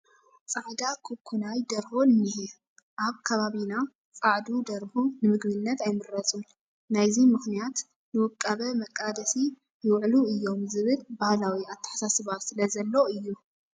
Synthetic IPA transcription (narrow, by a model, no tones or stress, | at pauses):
t͡sʼaʕd̪akʰukʰːunajd̪ɐɾhonɨnːihi | ʔaβkʰɐβaβina | t͡sʼaʕd̪ud̪ɐɾhunɨmɨɡbɨnːɐt̪ajmɨɾːɐt͡sʼun | najzimɨxnijat̪ | nɨwɨkʼːɐβɐmɐkʼːad̪ɐsi | jɨwʕluɨjːo̞mzɨβɨlbahlawiat̪ʰːɐ̥ħḁsasɨβat̪sɨlɐzɐlːo̞ɨjːu